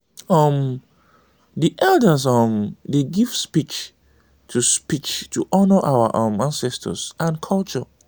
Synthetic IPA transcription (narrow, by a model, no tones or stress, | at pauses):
ɔm | diʔɛldəs̬ɔmdeɡiv̥spit͡ʃ | tʰuspit͡ʃtʰuʔɔnəʔawaʔʌ̃mãnsɛstʰə̰sãnkʰɔlt͡ʃɔ